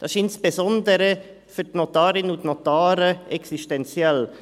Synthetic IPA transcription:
d̥ɑsɪnsb̥ezɔndəɾə | fytnotaːɾɪnʊntnotaːɾəʔɛksiʃtɛnt͡sjɛl

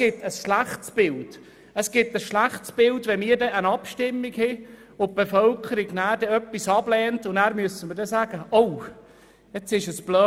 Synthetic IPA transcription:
ɪt̪əsʃlæχtsb̥ɪld̥ | əsɡ̥ɪt̪ːəsʃlæχtsb̥ɪltʋɛmɪːəɾdɛʔənɑpʃtɪmːiɡhɪ | ʊp̚b̥efœlkʰəɾiɡnæːɾd̥ɛœpːisɑb̥lɛːntʊnæːɾmyəsəməɾdɛsæːɡ̥əow | ɛt͡sɪʃəsb̥lœː

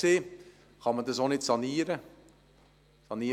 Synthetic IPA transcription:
seː | χɑmədɑsonɪtsɑniːɾə | sɑniː

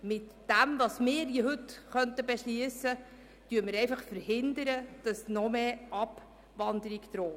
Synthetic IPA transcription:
mɪtd̥æmʋɑsmɪːɾjɪɦɵtχœntəbɛʃliəsə | tyəmɪɾɛjfɑχfəɾhɪnd̪əɾəd̥ɑsnɔmeːʔɑb | ʋɑnd̪əɾiɡt̪ɾoː

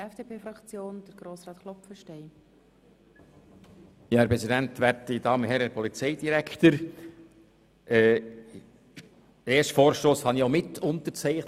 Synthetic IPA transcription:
ɛfd̥eːpʰeːfɾɑkt͡sjoːnd̥əɾɡ̥ɾoːsɾɑːtχlɔpfəʃteɪ | jɑːæɾpʁɛzidæntvæɾtid̥ɑːmənhɛɾəpʰɔlit͡sɛɪd̥iɾæktəɾ | ɛ | eːʃtfoːɾʃtoːshɑniomɪtʰʊnt̪əɾt͡sɛɪχt

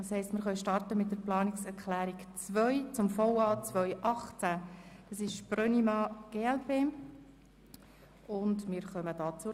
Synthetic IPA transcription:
ɑshɛɪstmɪɾχœʏʃtɑrtəmɪt̚dəɾplɑːnɪksɛɾkʰlæːɾikt͡svœʏt͡sʊmfɔʊɑːt͡sʋœʏʔɑχt͡sæd̥ɑsɪʃprœnimɑːɡ̥eːɛlpeː | ʊndmɪɾχœməd̥ɑːt͡sʊ

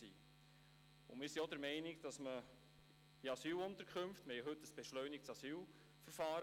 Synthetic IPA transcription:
ḭː | ʊ̰mɪsiodəɾmɛɪnɪkd̥ɑsmə | iɑsyːlʊnt̪əɾkʰχɵmftmhɛjɦɵtːəsb̥ɛʃlœʏnik̚t͡sɑsyːl | fəɾfɑːɾ

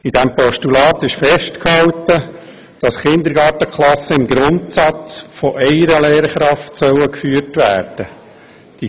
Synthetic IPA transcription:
id̥æmpɔʃtulɑːt̪ɪʃfɛʃtkhɑltə | d̥ɑsχɪnd̪əɾɡɑːɾtəkχlɑsəɪmɡɾʊntsɑt͡sfoʔɛɪəɾəlɛːɾχɾɑftsœwəkfyːɾtʋæːɾd̥ə | d̥i

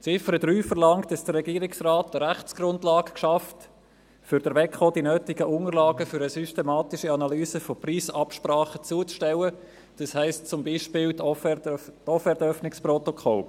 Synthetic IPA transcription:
t͡sɪfəɾəd̥ɾyːfəɾlɑŋtːɑsd̥əɾrɛɡiːəɾɪksraːtəɾæχt͡sɡ̥ɾʊndlɑːɡkʃɑft | fʏɾd̥əɾʋɛkχodinøːtɪɡəʔʊŋəɾlɑːɡəfʏɾəsystɛmɑːtɪʃəɑnɑlyːsəfopriːsɑpʃpɾɑːχət͡suət͡sʃtɛwə | d̥ɑshæɪstt͡sʊmbiːʃpɪːltɔtɔfɛɾdœfnɪksprɔtokʰɔl

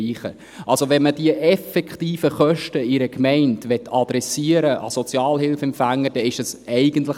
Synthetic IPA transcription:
iːχə̰ | ʔɑlsoʋɛnməd̥iəʔɛfɛkχtiːfəχœʃtəɪɾəkmɛɪntʋɛtʰːɑd̪̥ɾɛsiəɾəʔɑ̰sɔt͡sjɑːlhɪlfɛmpfæŋːəd̥ɛɪʃəsɛɪɡənt̪̬lə

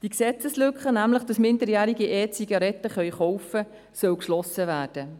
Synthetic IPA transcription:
d̥iksɛt͡səslʏkχənæmləχd̥ɑsmɪndəɾjæːɾiɡiʔeːt͡siɡ̥ɑɾɛt̪əχœʏɥχɔwfə | sœwkʃlɔsəʋæːrd̥ə

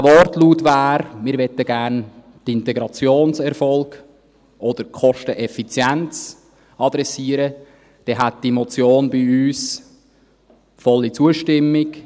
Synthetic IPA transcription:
vɔrtluːtʋaːɾmɪːɾʋɛtəɡærn | tɪntɛɡɾɑt͡sjoːnsɛɾfɔlɡ̥ | ʔɔd̥əɾkχɔʃtəʔɛfit͡sjænt͡s | ɑd̥̪ɾɛsiəɾə | d̥ɛɦæt̚d̥imɔt͡sjoːnbiyːs | fɔlːit͡suəʃtɪmːɪk

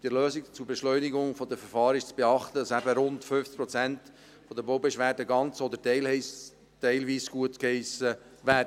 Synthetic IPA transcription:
d̥əløːsɪkt͡subeʃlœʏniɡʊŋfɔd̪əfəɾfɑːɾɪʃt͡sb̥eɑχt̪ədɑsæbəɾʊntføft͡spɾɔt͡sænt | fɔd̪əboʊbeʃʋæːɾdəɡɑnt͡sɔd̪əɾtɛɪlhɛɪs | tɛɪlviːsɡ̥uətkhɛɪsə | væːɾdə

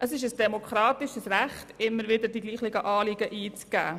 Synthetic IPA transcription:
ʔəsɪʃəsd̥ɛmokχɾɑːtɪʃəsræχtɪmːəɾvɪdəɾdiɡliːχlɪɡəʔɑːliɡəʔiːt͡sɡ̥æ̰ː

